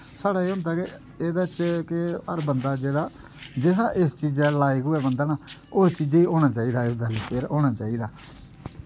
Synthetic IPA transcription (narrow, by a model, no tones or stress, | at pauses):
saːɽaːeːʊ̃nd̪aːke | eːd̪aːt͡ʃkɪəɾbənd̪aːd͡ʒeːdaː | d͡ʒeːsaːʔɪst͡ʃiːd͡ʒɛːlaːikɦʊɛːbənd̪aːnaːost͡ʃiːd͡ʒiːoːɽ̃aːt͡ʃaːiːd̪aːɪd̪ɛːlːpʰeːɾoːɽ̃aːt͡ʃaːiːd̪aː